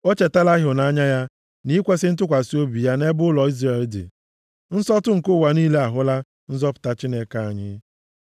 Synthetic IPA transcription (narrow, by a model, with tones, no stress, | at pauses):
o˦t͡ʃe˨ta˦la˦ɦʊ˨na˦ɲa˦ja˦ | ni˦kʷe˦sɪ˦n̩˦t̬ʊ˦kʷa˨si˦o˦bi˨ja˦ne˦bʊ˦lɔ˨i˦zɾe˨ldɪ̰˨ | n̩˦sɔ˦tʊ˦ŋ̩˨kʊ˦˨wa˨niː˦le˦a˨ɦʊ˦la˦ | n̩˦zɔ˦pʊ̥˨ta˦t͡ʃi˦ne˦ka˦a˨ɲɪ̰˦